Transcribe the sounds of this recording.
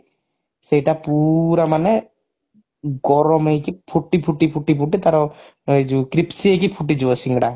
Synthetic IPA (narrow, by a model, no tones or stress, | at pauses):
sejʈapuɾamanɛ | ɡɔɾɔmejkipʰuʈːipʰuʈːipʰuʈːipʰuʈːit̪aɾɔ | ed͡ʒukɾipsiejkipʰuʈid͡ʒuwasiŋɡɽa